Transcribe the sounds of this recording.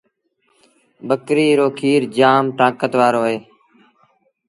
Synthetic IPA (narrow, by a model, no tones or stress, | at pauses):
ɓəkɾiːɾoːkʰiːɾd͡ʒaːmʈãːkət̪ʋaːɾoːɦeː